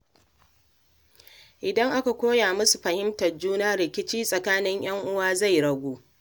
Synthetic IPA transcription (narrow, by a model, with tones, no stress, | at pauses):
ʔɪ˨dɐ˦ŋʔa˦ka˨kʷoː˦jaː˨mʊ˦su˨ɸɐ˨hɪ˦mtɐ˨rd͡ʒuː˦naː˦ɾɪ˨kʲɪ˦t͡ʃiː˦sʼɐ˨kaː˦nɪ˦ɲj̰ɐ˦ŋʔʊ˦waː˦za˦˨jɽɐ˦ɡʷoː˦